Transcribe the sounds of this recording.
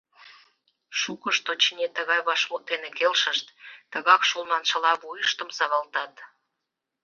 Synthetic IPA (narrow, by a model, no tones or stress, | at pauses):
ʃukəʃt̪ot͡ɕinʲet̪əɣɑjβɑʃmot̪enekelʃəʃt̪ːəɣɑkʃulˠnɑnʃə̆lɑβujəʃt̪əmsɑβɑlt̪ɑt̪